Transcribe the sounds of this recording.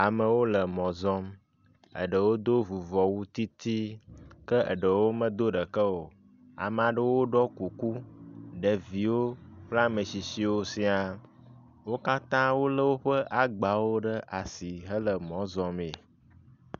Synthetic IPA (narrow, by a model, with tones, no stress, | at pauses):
a˨mə˨wo˦lə˨mɔ̃˨zɔ̃˦m | ə̰˨ɖə˨wo˦d̪o˦vu˨vɔ˨wu˦t̪i˦t̪i˦kə˦ʔə̰˨ɖə˨wo˦mə̃˦d̪o˦ɖə˨kə˦wo˨ | a̰˨m˨a˨ɖə˦wo˦ɖɔ˦ku˨ku˦ɖə˨vi˨wo˦ɸla˦mə˨si˨si˨wo˦si˦a˨ | wo˦ka˦t̪ã˦wo˦lə˦wo˦ɸə˦ʔa˨ɡ͡ba˨wo˦ɖə˦ʔa˨si˨ɦə˦lə˨mɔ̃˨˦zɔ˦me˨